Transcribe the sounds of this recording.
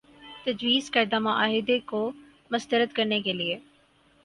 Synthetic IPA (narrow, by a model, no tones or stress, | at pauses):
t̪ɐd͡ʑʋiːzkɐɾd̪amãʔaːɦɪd̪eko | mɐst̪əɾət̪kɐɾnekeːlie